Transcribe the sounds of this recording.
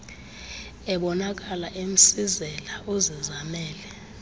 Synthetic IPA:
ɛɓɔnak̬ʼalaʔem̩sizɛlaʔozizamɛːlɛ

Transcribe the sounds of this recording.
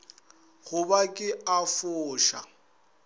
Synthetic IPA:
ɣʊbakʼɪafʊːʃa̰

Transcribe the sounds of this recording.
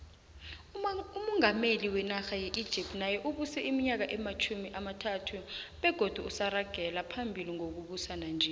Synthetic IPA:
umɔŋameliwɛnaxajɛʔid̥ʒ̥ʱip̚tnajɛʔuɓusɛʔimiɲak̬aʔɛmat͡ʃʰumiʔamatʰatʰuɓɛɡ̥ʱod̥ʱuusaraɡ̥ʱɛlapʰambʱiliŋok̬uɓusanand͡ʒʱɛ

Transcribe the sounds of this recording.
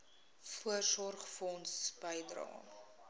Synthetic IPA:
fuərsɔrχfɔnsb̥əjdrɑ̰ː

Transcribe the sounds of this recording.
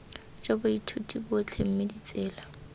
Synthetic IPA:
d͡ʒabʊitʰutʼibʊt͡ɬʰem̩medit͡sʼɛːla

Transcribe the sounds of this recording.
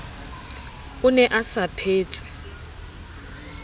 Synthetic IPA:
ʊnɛʔasapʰeːt͡sʼi̥

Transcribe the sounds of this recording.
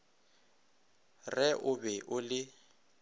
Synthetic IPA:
rɛʔʊbɛʔʊlɪ

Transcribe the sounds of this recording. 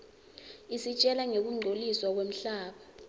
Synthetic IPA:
isit͡ʃʼɛlaŋek̬uŋ͡ǃʱoliswak̬wem̩ɬaːɓa

